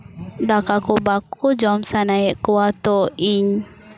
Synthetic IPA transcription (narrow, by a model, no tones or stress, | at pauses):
dakakubakud͡ʒɔmsanaiʔkuat̪oiɲ